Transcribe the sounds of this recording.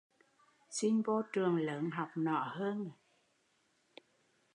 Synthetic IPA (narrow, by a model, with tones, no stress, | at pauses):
si˧nvo˧t͡ɕɨ˨˩əŋləː˨˦nɦa˨˩wk͡p̚nɔ̰˧˩˦həː˧n˨